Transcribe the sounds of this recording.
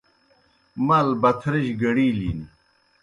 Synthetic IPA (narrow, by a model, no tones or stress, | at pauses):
mɐlbɐt̪ʰɾiɕɡɐɽiːlḭːni